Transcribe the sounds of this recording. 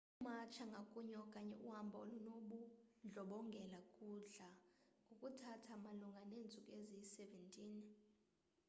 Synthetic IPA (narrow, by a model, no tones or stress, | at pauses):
umat͡ʃʰaŋɡʱakʼuɲɔkʼaɲɛʔuhambʱaolunoɓund͡ɮʱɔɓɔŋɡʱɛlakʼuɮaukʼutʰatʰamaluŋɡʱaneːnt͡sʼukʼezisɛvɛntʼiːn